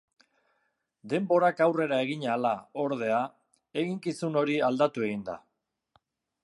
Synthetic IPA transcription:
d̪e̞mbo̞ɾakawre̞ɾae̞ɣ̞iɲalao̞ɾðe̞a | e̞ɣiŋkisuno̞ɾiald̪at̪ue̞ɣind̪a̰

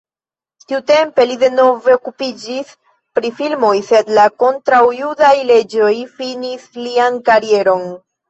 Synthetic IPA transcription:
tiute̞mpe̞lide̞no̞ve̞okupid͡ʒis | pɾifilmo̞jse̞d̪lako̞ntɾawjudajle̞d͡ʒo̞jfinisliankaɾie̞ɾo̞n

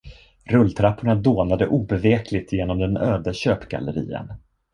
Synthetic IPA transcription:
ɾɵlːt̪ʰɾapʰːʊɳad̪oːnad̪əʔuːbɛveːkʰlɪɡ̚t̪jeːnɔmd̪ɛnøːd̪aɕøːpɡa̰ləɾḭːə̰n

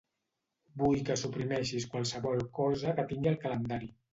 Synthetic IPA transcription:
bujkəsupɾimɛʃiskwalˠsəβɔlˠkɔzəkət̪iŋɡiəlˠkələnd̪aɾi

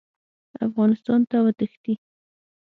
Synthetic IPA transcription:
a̰fɣɑnɪst̪ɑnt̪awət̪əxt̪i

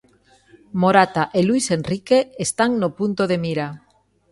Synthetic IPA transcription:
moɾat̪aʔeluise̞nrike̞ːst̪aŋnopunt̪oðe̞miɾa

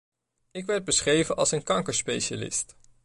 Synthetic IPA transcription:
ɪkʋɛɹd̚bəsχrejvənʔɑlˠsənkɑŋkəɹspejʃa̰lɪ̰st

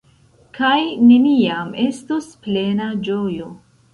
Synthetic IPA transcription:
kajne̞niame̞stusple̞nad͡ʒojo

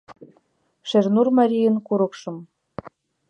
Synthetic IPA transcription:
ʃernurmɑɾʲijənkuɾɤ̆kʃɤ̆m

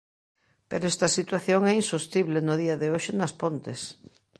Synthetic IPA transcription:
peɾoɛst̪ɐsit̪waθjoŋɛinsost̪iβlenʊðiɐðɪoʃɪnɐspont̪ɪs

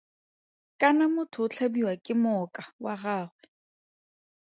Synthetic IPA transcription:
kʼanamʊtʰʊt͡ɬʰabiwakʼɪmʊkʼawaɣaːχwɛ

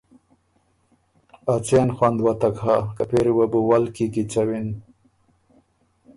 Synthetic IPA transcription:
at͡ɕenxwand̪wat̪akhakapeɾiwabuwalkikit͡ɕawin

